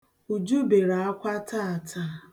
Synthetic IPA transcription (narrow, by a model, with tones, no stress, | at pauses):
u˨d͡ʒu˦be˨ɾa˨a˦kʷa˦ta˦˨a˨tʰa˦